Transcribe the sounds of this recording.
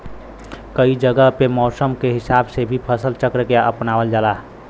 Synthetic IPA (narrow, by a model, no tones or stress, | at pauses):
kəid͡ʒəɡəɦpemɔːsəmkeɦɪsabsebʱipʰəsəlt͡ʃəkɾəkeə̰pnaːʋəld͡ʒaːlaː